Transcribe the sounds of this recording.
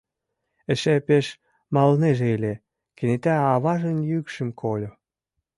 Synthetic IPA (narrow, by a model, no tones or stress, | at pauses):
ĕʃæpeʃ | mɑlneʒeelʲe | kĕnet̪æɑβɑʒə̆njykʃə̆mkʰolʲo